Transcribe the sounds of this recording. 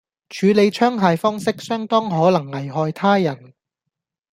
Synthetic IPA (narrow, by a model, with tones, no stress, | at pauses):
t͡ʃʰyː˨˧le˨˧jt͡ʃʰœː˥ŋɦaː˨jfɔː˥ŋsɪ˥k̚sœː˥ŋt̪ɔː˥ŋɦɔː˨˥lɐ˨˩ŋːɐ˨˩jɦɔː˧jt̪ʰaː˥jɐ˨˩n